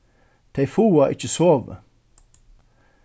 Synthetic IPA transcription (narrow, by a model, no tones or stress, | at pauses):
t̪ʰeɪfuːaʔɪ̰t͡ʃəsoːʋə̰